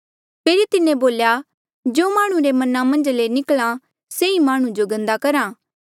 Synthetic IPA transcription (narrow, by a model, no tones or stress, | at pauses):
pʰeːɾit̪ɪnẽboːlja | d͡ʒoːmaːɽ̃ũɾemɐnamɐ̃nd͡ʒlenɪklã | seĩmaːɽ̃ũd͡ʒoɡɐ̃nd̪akɐɾãː